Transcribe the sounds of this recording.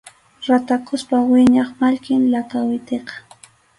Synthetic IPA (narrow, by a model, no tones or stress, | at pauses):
ɾat̪akʊspawɪɲɑχmaʎkɪnlakawɪt̪eqɑ̥